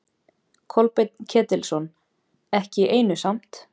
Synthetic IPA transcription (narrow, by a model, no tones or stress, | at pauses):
kʰɔlpɪt̪ncʰɛːt̪ɪlsɔn | ɛhcɪʔeːjnʏsam̥t̪